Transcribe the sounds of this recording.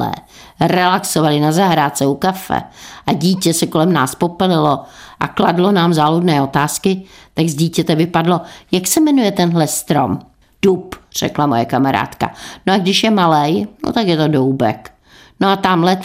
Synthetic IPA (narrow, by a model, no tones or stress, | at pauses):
ɛ̰ː | rɛlaksovalɪnazaɦɾaːt͡sɛukafɛ̰ʔaɟiːcɛsɛko̞lɛmnaːspo̞pɛlɪlo̞ʔa̰kladlo̞naːmzaːludnɛːo̞t̪aːskɪt̪aɡzɟiːcɛt̪ɛvɪpadlo̞jaksɛmɛnujɛt̪ɛnɦlɛst̪ɾo̞̰m | d̥upr̝̥ɛ̰klamojɛkamaɾa̰ːt̪ka̰noaɡdɪʃjɛmalɛjno̰t̪akjɛt̪o̞dowbɛ̰k | noat̪amlɛ